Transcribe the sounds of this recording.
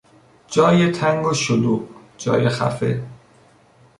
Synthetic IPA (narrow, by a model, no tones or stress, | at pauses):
d͡ʒɒːjet̪ʰæŋɡoʃoluːʔ | d͡ʒɒ̰ːjexæ̰fḛ